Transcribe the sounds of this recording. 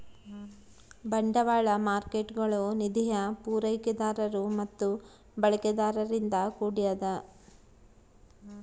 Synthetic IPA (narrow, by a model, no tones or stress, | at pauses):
bɐɳɖɐʋaːɭɐmaːɾkeʈɡɐɭonid̪ijɐpuːɾɐjkɛd̪aːɾɐɾumɐt̪ːu | bɐɭɐkɛd̪aːɾɐɾind̪ɐkuːɽijɐd̪ɐ